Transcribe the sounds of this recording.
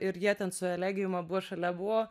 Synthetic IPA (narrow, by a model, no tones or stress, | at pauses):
ɪɾjiɛt̪ʲɛnsʊɛlʲæːɡʲɪjʊmɐbʊʋoʃɐlʲɛbʊʋoː